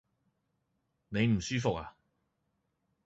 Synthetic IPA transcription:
ne˨˧jm̩˨˩syː˥fʊ˨k̚a̰ː˨

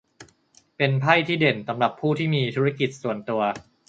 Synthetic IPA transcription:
pe˧npʰa˥˩jt̪ʰiː˥˩de˨˩nsa˩˧˦mɾa˨˩pʰːuː˥˩t̪ʰiː˥˩miː˧t̪ʰuː˦˥a˥ki˨˩t̪̚su˨˩ənt̪u˧ɐ

